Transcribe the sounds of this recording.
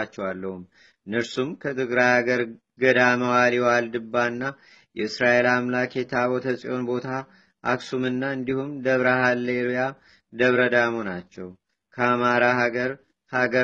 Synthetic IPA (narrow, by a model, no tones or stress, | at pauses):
at͡ʃːɛwalːəhum | ɨnɨɾsumkʰət̪ʰɨɡɾajhaɡəɾ | ɡəd̪aməwaliwald̪ɨbːaɨnːa | jɛɨsɾaʔe̞lamlakʰet̪ʰaβot̪ʰəsʼḭo̞nbo̞t̪ʰa | ʔaksumɨnːaɨnd̪ihumd̪əβɾahalːeɾoja | d̪əβɾəd̪amonat͡ʃːɛw | kʰəamaɾaɦaɡəɾ | haɡə